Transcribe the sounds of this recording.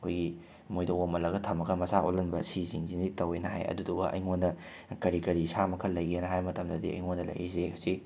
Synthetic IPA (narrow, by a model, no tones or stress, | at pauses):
ɐkʰojɡi | mojdɐomɐlɐɡɐtʰɐmɐkʰɐmɐsaʔolɐnbɐsiziŋzinitɐwejnɐɦa̰jɐ̰duduɡɐ̰ʔɐ̰jŋondɐ | kɐɾikɐɾisamɐkʰɐlːɐjɡianɐɦajmɐtɐmdɐdiɐ̰jŋondɐlɐ̰jezekʰɐsi